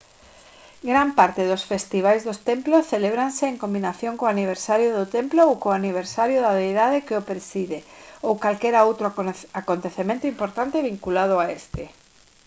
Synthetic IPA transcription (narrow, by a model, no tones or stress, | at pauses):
ɡɾampaɾt̪ɪðosfest̪iβajzðost̪emplosθeleβɾanseːŋkombinaθjõŋkoaniβ̞eɾsaɾjʊðʊt̪emploːwkoaniβ̞eɾsaɾjʊðaβejðaðekɪopɾesiðeowkalkɛɾaowt̪ɾʊakont̪eθemẽnt̪ʊimpoɾt̪ant̪eβiŋkulað̞ʊaest̪ɪ